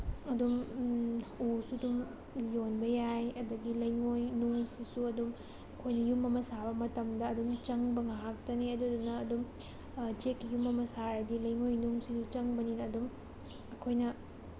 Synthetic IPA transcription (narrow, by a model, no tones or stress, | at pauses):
ɐdum | usudum | jonbɐjajɐdɐɡilɐjŋojnuŋsisuɐdum | ɐkʰojnɐjumɐmɐsabɐmɐtɐmdɐːdumt͡ʃɐŋbɐŋaɦak̚tɐniɐdudunɐːdum | d͡ʒekːijumɐmɐsaɾɐdilɐjŋojnuŋsisut͡ʃɐŋbɐninɐːdum | ɐkʰojnɐ